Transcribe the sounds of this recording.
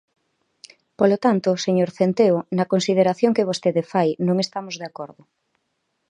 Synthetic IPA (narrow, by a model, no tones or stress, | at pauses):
polot̪ant̪oseɲoɾθent̪eonɐkonsið̞eɾaθjoŋkeβ̞ost̪eðefajnõŋest̪amozðeakoɾðʊ